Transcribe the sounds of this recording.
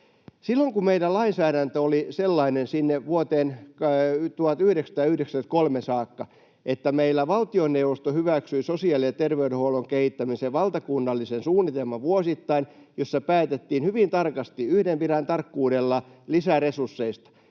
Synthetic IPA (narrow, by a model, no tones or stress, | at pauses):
silːoŋkumeidælɑinsæːɾænt̪øoliselːɑinensinːeʋuot̪eːn | t̪uhɑt̪yhɾeksæ̥t̪æjɑyhɾeksæs̚kolmesɑːkːɑ | et̪ːæmeilːæʋɑlt̪ionːeuʋost̪ohyʋæksyisosiɑːliset̪erʋeydehouloŋkehit̪ːæmiseʋɑlt̪ɑkunːɑlːisensuːnːit̪elmɑʋuosit̪ːɑinjosːɑpæːt̪et̪ːiːnhyʋint̪ɑrkɑst̪iyhdemʋiɾænt̪ɑrkːuːdelːɑlisæresursːeist̪ɑ̥